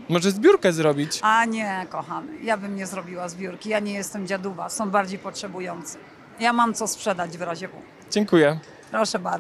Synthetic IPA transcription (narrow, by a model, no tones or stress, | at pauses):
mɔʐɛzbʲjuɾkɛzɾɔbʲit͡ɕaɲɛkɔxamɘ̰jabɘmɲɛzɾɔbʲiwazbʲjuɾkʲijaɲɛjɛst̪ɛmd͡ʑad̪uvasɔ̃w̃baɾd͡ʑejpɔtʂɛbujɔnt̪sɛ̥ | jamamt̪sɔspʂɛd̪ad͡ʑvɾaʑɛbṵ | d͡ʑɛŋkujɛ | pɾɔʂɛbaɾ